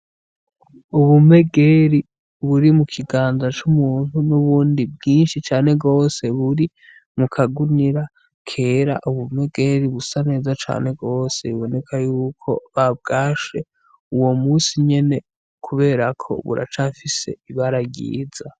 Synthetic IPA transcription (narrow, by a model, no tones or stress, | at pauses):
uβume̞ɡe̞ɾi | βuɾimukʰiɡaːnzat͡ʃumuːn̥hunuβuːndib̚ɡiːnʃit͡ʃaːne̞ɡo̞ːse̞βuɾi | mukʰaɡuniɾa | kʰe̞ːɾa̰ʔuβume̞ɡe̞ɾiβusane̞ːzat͡ʃa̰ːne̞ɡɡo̞ːse̞βiβo̞ne̞kʰajuːkʰo̞̰βab̚ɡaːʃe̞ | uwo̞muːsiɲe̞ne̞ | kʰuβe̞ːɾakʰo̞̰βṵɾa̰t͡ʃafise̞̰iβaɾaɡḭːza